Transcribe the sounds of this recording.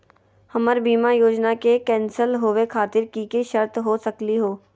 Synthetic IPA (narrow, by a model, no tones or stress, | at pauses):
hɐməɾbiːmajoːd͡ʒnakekɛ̃ːnsəlɦoːʋekʰaːt̪ɪɾkikiʃəɾt̪ɦosɐkliɦoː